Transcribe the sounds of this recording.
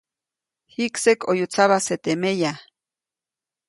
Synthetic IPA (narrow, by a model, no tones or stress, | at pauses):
hiksekojut͡saβaset̪emeja